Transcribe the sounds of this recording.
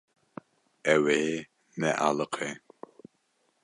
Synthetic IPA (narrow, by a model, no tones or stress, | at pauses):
ɛwe | nɛʔa̰lɨqʰe